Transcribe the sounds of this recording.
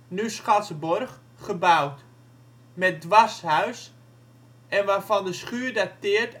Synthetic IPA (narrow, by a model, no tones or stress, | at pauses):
nysχatsəborχ | χəbawt | mɛt̚dʋashaɥs | ɛnʋaːfɔndəsχyːərdatɪərt